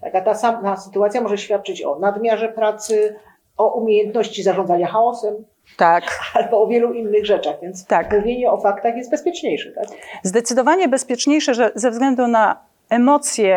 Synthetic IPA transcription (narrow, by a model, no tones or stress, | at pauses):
t̪a̰kat̪asamt̪asɘ̥t̪uat̪sʲjamɔʐɛɕfʲjat̪̚t͡ʂɘt͡ɕɔ̰nad̪mʲjaʐɛpɾat̪sɘ | ɔʔumʲejɛnt̪nɔɕt͡ɕizaʐɔnd̪zaɲaxaɔsɛm | t̪akalbɔːvʲjɛluinːɘɣʐɛt͡ʂaɣvʲjɛnt̪st̪akmuvʲjeɲɛɔfakt̪axjɛst̪bɛspʲjɛt͡ʂɲejʂɛt̪akzd̪ɛt̪sɘd̪ɔvaɲɛbɛspʲjɛt͡ʂɲejʂɛʐɛzɛvzɡlɛnd̪una | ɛmɔt̪sʲjɛ